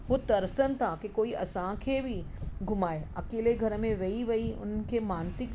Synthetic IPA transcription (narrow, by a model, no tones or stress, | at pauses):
ɦot̪ɐɾsənt̪ʰakekoːiʔɐ̰sãkʰebʱi | ɡʱʊmaːeɐkeːleɡʱɐɾmẽʋɐiʋɐiʊ̰n̤kʰemaːnsɪk